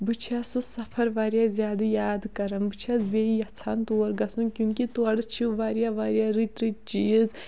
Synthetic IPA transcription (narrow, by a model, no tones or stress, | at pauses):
bɨt͡ʃʰiaːsusɐpʰɐɾʋaːɾjazʲjaːd̪ɨjaːd̪kɐɾɐmbɨt͡ʃʰazbeːijɐt͡sʰaːnt̪oːɾɡɐsũnkjũːŋkit̪uɐɽɨt͡ʃʰiʋaːɾijaːʋaːɾjaɾit̪ɾit͡ʃiːz